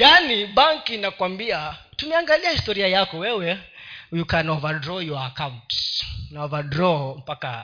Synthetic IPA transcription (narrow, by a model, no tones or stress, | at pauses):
janiɓaŋkinakwambiatumɛaŋɡaliahistɔɾiajakɔwɛwɛhujukanɔvadɾɔjɔaakantsnɔvadɾɔm̩paka